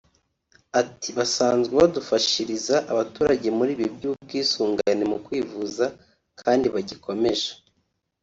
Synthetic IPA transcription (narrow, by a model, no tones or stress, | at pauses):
atʰiβasaːnzɡeβadufaʃiɾizaʔaβatuːɾaɟe̞muɾiːβibɟuːb̚ɡiːsuːŋɡa̰nemukwiːvuza | kʰaːndiβaɟikʰo̞me̞ʒḁ